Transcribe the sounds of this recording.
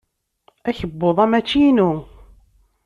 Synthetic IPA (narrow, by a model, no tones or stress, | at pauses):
æçəbːoðˤæmæt͡ʃːinu